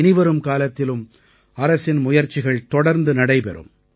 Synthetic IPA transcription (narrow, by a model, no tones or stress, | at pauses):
nɪʋɐɾɯmkaːlɐt̪ːɪlɯm | ɐɾɐsɪnmʊjɐɾt͡ʃːɪɣɐɭt̪ɔɽɐɾnd̪ɯnɐɽɐɪpɛ̰ɾɯ̰m